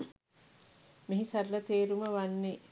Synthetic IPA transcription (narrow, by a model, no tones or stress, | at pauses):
miɦisɐrlɐt̪eːɾuməʋanːe